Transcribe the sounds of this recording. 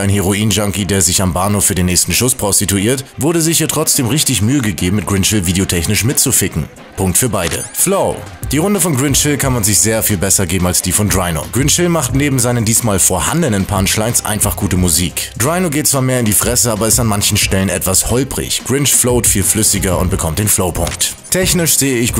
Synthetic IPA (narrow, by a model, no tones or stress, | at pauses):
ʔaɪnheʁ̞oiːnʒaŋkideːɐzɪçambaːnofyːɐdeːnːɛːçstn̩ʃʊspʁ̥ɔstituiːɐtvʊɐɾəzɪçiːɐtʁ̥ɔt͡sd̥eːmʁɪçtɪçmyːəɡəɡeːbm̩mɪt̚ɡ̥ʁɪnʃɪlviːdeotʰɛçnɪʃmɪt̚t͡sufɪkŋ̩ | pʰʊŋk̚tfyːɐbaɪdə̰floʊ | d̥iːʁʊndəfɔnɡʁɪnʃɪlkʰanmanzɪçz̥eːɐfiːlbɛsɐɡeːbm̩alsd̥iːfɔndʁaɪno̰ɡʁɪnʃɪlmaχtneːbm̩zaɪnəndiːsmaːlfoːɐha̰ndənənpʰanʃlaɪnsʔa̰ɪnfaχɡ̥uːtəmuziːkd̥ʁaɪnoɡeːt̚t͡sv̥aːɐmeːɐɪndiːfʁ̥ɛsəʔaːbɐɪstanmançn̩ʃtɛlənʔɛ̰tv̥ashɔʏpʁɪ̰çɡ̥ʁɪnʃfloʊtfiːlflʏsɪɡɐʊ̰nt̚b̥əkʰɔmt̚d̥eːnfloʊpʰʊ̰ŋkt | tʰɛçnɪʃz̥eːəɪç